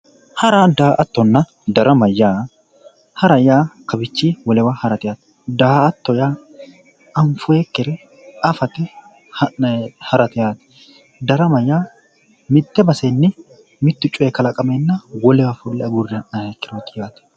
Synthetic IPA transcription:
hɐɾad̪aːʔɐt̪ːɔnːɐ | d̪ɐɾɐmɐjːaː | hɐɾɐjaːkɐbɪt͡ʃːiːwɔlɛwɐhɐɾɐt̪ɪjaːt̪ | d̪aːt̪ːɔjaː | ɐɱfʊekːɪɾɛ | ɐfɐt̪ɛ | hɐhɐɾɐt̪ɪjaːt̪ɛ̥ | d̪ɐɾɐmɐjːaː | mɪt̪ːɛbɐsenːɪ | mɪt̪ːʊt͡ʃʼːʊɛkɐlɐkʼɐmenːɐwɔlɛwɐfʊlːɛɐɡʊrːɪɐʔnɐekːɪɾoːt̪ːɪjaːt̪ɛ̥

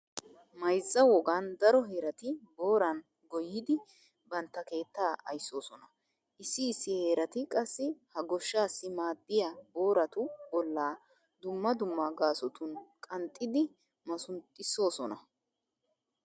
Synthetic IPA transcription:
mɐjzːɐwɔɡand̪ɐɾɔɦeːɾɐt̪ɪbo̞ːɾɐn | ɡɔjɪd̪ɪ | bɐnt̪ːɐke̞ːt̪ːaːʔɐ̰jsːo̞ːsɔnɐ | ʔɪsːɪːsːɪhe̞ːɾɐt̪ɪkʼɐsːɪhɐɡɔʃːaːsːɪmaːd̪ːɪjabo̞ːɾɐt̪ʊbɔlːaː | d̪ʊmːɐd̪ʊmːaɡaːsɔt̪ʊnkʼɐnt̪ʼːɪd̪ɪ | mɐsʊnt̪ʼːɪsːo̞ːsɔnɐ

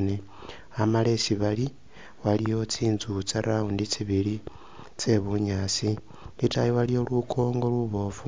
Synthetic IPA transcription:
ne | amale̞siβali | walijo̞t͡siːnzut͡saɾaundit͡siβili | t͡se̞βuɲasi | litajiwalijo̞lwukʰo̞ːŋɡo̞lwuβo̞fu

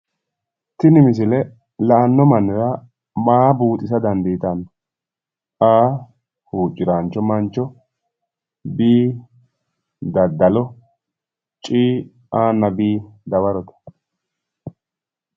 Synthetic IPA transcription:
t̪ɪnɪmɪs̬ɪlɛ | lɐʔɐnːɔmɐnːɪɾɐ | maːbuːt̪ʼɪsɐd̪ɐnd̪iːt̪ɐn | ʔaː | huːt͡ʃʼːɪɾant͡ʃːɔmɐnt͡ʃɔ | biː | d̪ɐd̪ːɐlɔ | t͡ʃʼiː | ʔaːnːɐbiːd̪ɐβɐɾɔt̪ɐ̥

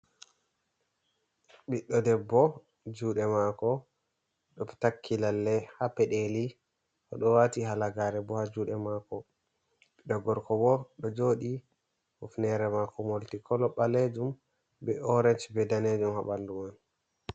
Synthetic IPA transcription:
ɓiɗːɔdɛbːɔ | d͡ʒuːɗɛmakɔ | ɗɔftakʰːilalːɛhapɛɗeli | kɔ̰ɗɔwatiɦalaɡaɾɛbɔhad͡ʒuːɗɛmakɔ | ɓiɗɔɡɔɾkɔbɔɗɔd͡ʒoɗi | hufnɛɾɛmakɔmoltikʰɔlɔɓaled͡ʒum | bɛɔɾɛnt͡ʃbɛdaned͡ʒumhaɓanduman

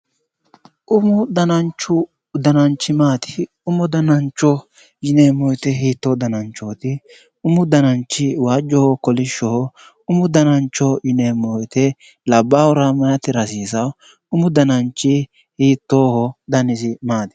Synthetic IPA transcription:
ʔʊmʊd̪ɐnɐnt͡ʃːʊ | d̪ɐnɐnt͡ʃːɪmaːt̪ɪ̥ | ʊmʊd̪ɐnɐnt͡ʃːɔ | jɪneːmɔjt̪ɛɦiːt̪ːod̪ɐnɐnt͡ʃːoːt̪ɪ | ʊmʊd̪ɐnɐnt͡ʃːɪwaːd͡ʒːɔhɔkɔlɪʃːɔhɔ | ʊmʊd̪ɐnɐnt͡ʃːɔjɪneːmːɔjt̪ɛ | lɐbːaːwʊɾamɐnɐt̪ɪɾɐsiːsɐw | ʊmʊd̪ɐnɐnt͡ʃːɪ | hiːt̪ːoːhɔd̪ɐnɪzɪmaːd̪ɪ̥

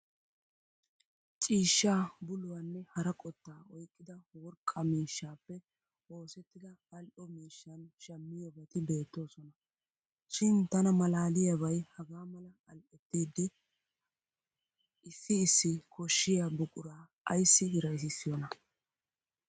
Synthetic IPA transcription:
t͡ʃʼiːʃːaːbʊlʊwanːɛhɐɾɐkʼɔt̪ːaːɔjkʼːɪd̪ɐwɔɾkʼɐmiːʃːaːpːɛ | o̞ːsɛt̪ːɪd̪ɐːlʔɔmiːʃːɐnʃɐmːɪjɔɡɛt̪ɪbe̞ːt̪ːo̞ːsɔnɐ | ʃɪnt̪ɐnɐmɐlaːlɪjɐβɐjhɐɡaːmɐlɐ | ɐlʔɛt̪ːiːd̪ːɪ | ɪsːɪːsːɪkʰɔʃːɪjabʊkʼʊɾaː | ɐjsːɪɡɪɾɐjs̬ɪsːɪjɔnɐ

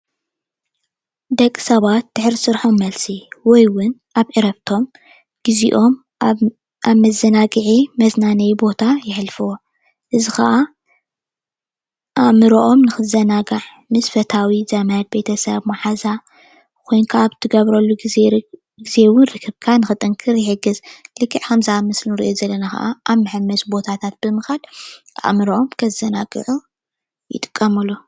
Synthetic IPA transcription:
d̪ɐkʼːsɐβat̪̚d̪̥ɨħɾisɨɾħomːɐlsiwɔjwʊnʔaβʕɨɾɐβt̪ʰo̞m | ɡ̥iziʔo̞m | ʔaβmɐzːɐnaɡɨʕimɐznanɐjbo̞t̪ʰajɪħlfɨwo | ʔɨzixɐ̰ʔa | ʔamɨɾoʔomnɨxɨzɐnaɡaʕ | mɨsfɐt̪ʰawizɐmajad̪̚be̞t̪ʰɐsɐβmaħaza | kʰo̞jnkʰaaβt̪ʰɨɡɐβɾɐlːuɡze | ɡize̞wʊnɾɨkʰːɨβkʰanɨxɨt̪ʼɨŋkʰɨɾjɪħɨɡɨzlɨkːɨʕkɐmzamɐslnɨɾḭʔozɐlːɐnaxɐ̰ʔaʔaβmɨħɨmːɐsbo̞t̪ʰat̪ʰat̪̚b̥ɨmɨxal | a̰ʔmɨɾoʔomkʰɐzɐnaɡɨ̰ʕu | jɪ̰t̪ʼɨ̥kʼːɐmɐlːo

